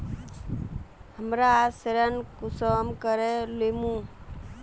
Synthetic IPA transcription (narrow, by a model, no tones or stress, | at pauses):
həmɾaseɾənkusəmkəɾelemũ